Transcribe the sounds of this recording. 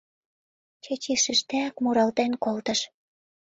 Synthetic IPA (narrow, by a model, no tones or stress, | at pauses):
t͡ɕet͡ɕiʃɘʃt̪æækmuɾɑlt̪enkolt̪ə̆ʃ